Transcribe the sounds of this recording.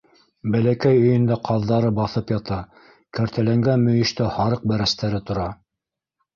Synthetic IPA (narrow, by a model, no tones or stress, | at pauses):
bælækæjɵ̆jɵ̆nd̪æqʰɑðːɑɾɤbɑθɤpjɑt̪ɑ | kæɾt̪ʰælæŋɡænmɵ̆jɘ̆ʃt̪æhɑɾɤq̚bæɾæst̪æɾɘt̪ŏɾɑ